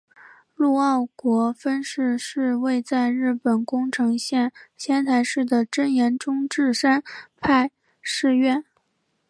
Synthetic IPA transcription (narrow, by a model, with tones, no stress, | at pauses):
lu˥˧ɑ˥˩ʊkwɔ˧˥fə˥nʂɻ̩˥˧ʂɻ̩˥˧we˥˧ɪt͡sa˥˧ɪɻɻ̩˥˩pə˨˩nkʊ˥ŋʈ͡ʂʰɤ˧˥ŋɕjɛ˥˧nɕjɛ˥nt̪ʰa˧˥ɪʂɻ̩˥˩d̪ə˩ʈ͡ʂə˥njɛ˧˥nʈ͡ʂʊ˥ŋʈ͡ʂɻ̩˥˩ʂa˥npʰa˥˧ɪ | ʂɻ̩˥˧ɥɛ˥˩n